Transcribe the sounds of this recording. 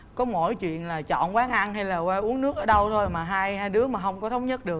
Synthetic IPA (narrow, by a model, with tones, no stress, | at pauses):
kɔ˨˦mo̰˧˨jt͡ɕwḭ˧˨ənlaː˨˩t͡ɕɔ̰˧˨nkwaː˨˦a˧ŋɦa˧jlaː˨˩kwaː˧ʔu˨˦əŋnɨ˦˥ək̚əː˨˩˦ɗə˧wt̪ʰo˧jmaː˨˩ɦaː˧jhaː˧jɗɨ˨˦əmaː˨˩hə˧wŋ͡mkɔ˨˦t̪ʰə˨˦wŋ͡mɲə˦˥t̚ɗɨ˨˩ək̚